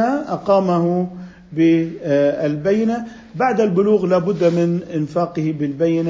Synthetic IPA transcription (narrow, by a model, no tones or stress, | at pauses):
aʔɑqɑːmaɦʊ | bɪ | albajːɪna | baʕd̪albʊluːɣlaːbʊd̪ːmɪnʔɪnfaːqɨhɪbɪlbajːɪna